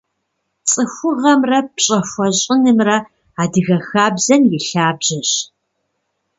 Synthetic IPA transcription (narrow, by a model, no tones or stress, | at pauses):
t͡sʼɨxʷʊʁɐmrɐpɕʼɐxʷɔɕʼɪnɨmrɐ | aːdɨɣɐxaːbzɐnjɪɬaːbʑɐɕ